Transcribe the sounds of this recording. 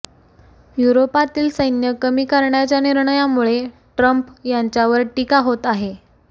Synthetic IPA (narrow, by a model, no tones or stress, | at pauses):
juɾopat̪iːlsəjnjəkəmiːkaɾɳjat͡ɕjaniɾɳəjamuɭe | ʈɾəmpjaɲt͡ɕjaʋəɾʈikaɦot̪aɦe